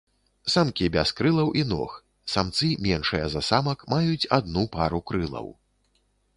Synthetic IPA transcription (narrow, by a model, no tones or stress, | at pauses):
samkʲibʲaskɾɨlˠɐwʔinɔ̰x | samt̪sɨmʲɛnʂɨjɐzasamɐkmajut͡sʲad̪̚nupaɾukɾɨlˠɐ̰w